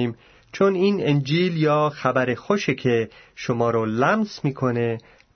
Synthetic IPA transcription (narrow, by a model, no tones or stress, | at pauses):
iːm | t͡ʃʰoniːnend͡ʒiːljɒːxæbæɾexoʃecʰe̞ʃomɒːɾolæmsmiːkʰo̞ne̞